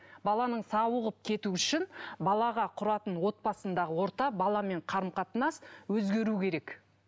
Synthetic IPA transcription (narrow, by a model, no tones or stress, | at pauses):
bɑlˠɑnəɴsɑwəʁəp̚kʲʰe̞t̪uʏʃɪnbɑlˠɑʁɑqʰʊɾɑt̪ənwo̞t̪̚bɑsənd̪ɑʁəwo̞ɾt̪ɑbɑlˠɑme̞ɴqʰɑɾəmqɑt̪nɑswɵzɡʲe̞ɾukʲʰe̞ɾe̞k